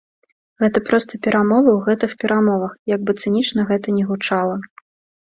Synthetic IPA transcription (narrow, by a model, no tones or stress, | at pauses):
ɣɛt̪ɐpɾɔst̪ɐpʲɛɾʔamɔvɐwɣɛt̪ɨxpʲɛɾʔamɔvɐxjaɡ̚bɨt̪sɨnʲit͡ʂnɐɣɛt̪ɐnʲɛɣut͡ʂalˠɐ